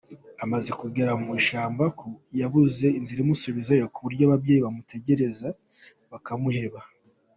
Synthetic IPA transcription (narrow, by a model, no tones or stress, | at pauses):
amazekuɡeɾaumuʃaːmbakujaβuze̞inziɾimuseβizajakuβuɾɟaβabɟe̞ːjiβamutʰe̞ɟe̞ɾe̞za | βakamuhe̞βa